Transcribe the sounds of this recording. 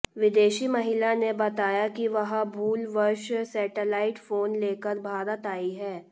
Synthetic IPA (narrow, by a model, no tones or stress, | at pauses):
ʋɪd̪eːʃimɐɦɪlanebɐt̪aːjakiʋɐɦãbʱuːlʋəɾʃsɛːʈəlaːɪʈfoːnleːkəɾbʱaːɾət̪aːiɦɛː